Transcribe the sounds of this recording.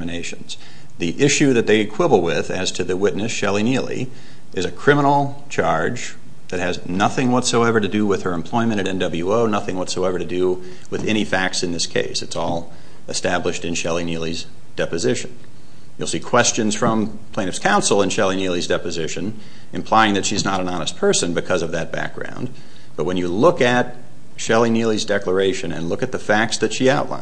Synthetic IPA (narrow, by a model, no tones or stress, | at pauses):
mɨneɪʃɨ̃nz̥ | ðiʔɪʃʉðɨt̪̚ðeɪɨkʰw̥ɪbl̩ˠwɪðɨz̥tʰɨðɨwɪtⁿnɨsʃɛlˠinilˠḭ | ɨzɨkʰɹ̥ɪ̃mənl̩ˠ | t͡ʃʰɑɹd͡ʒ | ðɨt̚hɨznʌθɪ̃ŋwʌtsoʊɛvə˞ɾɨdɨwɨð̥ə˞ɨ̃mpʰl̥ɔ̃ɪ̃mɨ̃ɾ̃ɨɾɛ̃ndʌbl̩ˠjʉoʊnʌθɪ̃ŋwʌtsoʊɛvə˞ɾɨdɨ | wɨðɛɾ̃ifæk̚tsɨ̃nðɪskʰḛɪsɨtsɔlˠ | ɨstæblɨʃtɨ̃nʃɛlˠinilˠiz | d̥ɛpɨzɪʃɨ̃n | jul̩ˠsikʰw̥ɛst͡ʃɨ̃nz̥fɹʌ̃m | pʰẽɪ̃nɨfskʰãʊ̃nsl̩ˠə̃nʃɛlˠinilˠizdɛpɨzɪʃɨ̃n | ɨ̃mpʰl̥aɪɪ̃ŋðɨtʃiznəɾɨ̃nɑnəs̚pʰɜ˞sɨ̃nbɨkʰʌzʌvðɨt̚b̥æ̰k̚ɡ̥ɹã̰ʊ̃nd | b̥ʌt̚wɨ̃njɨlʊkɨt̚ | ʃɛlˠinilˠizdɛklə˞eɪʃɨ̃nɨ̰̃nlʊkɨt̪̚ðɨfæk̚tsðɨtʃiaʊʔˡlʔã̰ɪ̃